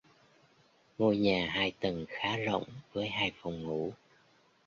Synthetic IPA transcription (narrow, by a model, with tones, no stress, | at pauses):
ŋo˧jɲaː˨˩ɦaː˧jt̪ə˨˩nxaː˨˦zo̰˧˨wŋ͡mvəː˨˦jɦaː˧jfɔ˨˩wŋ͡mŋṵ˧˥